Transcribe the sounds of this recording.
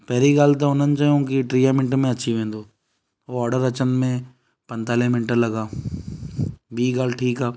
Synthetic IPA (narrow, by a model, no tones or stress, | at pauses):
pɛːɾiɡaːlt̪̬aonənt͡ʃaõkiʈɾiːjaːmɪnʈmẽɐtːʃʰiʋẽːnd̪oː | oɔːɾɖəɾət͡ʃənd̪mẽ | pɐ̃nt̪aːlemɪnʈəɾlɐɡaː | biːɡaːlʈʰiːkaː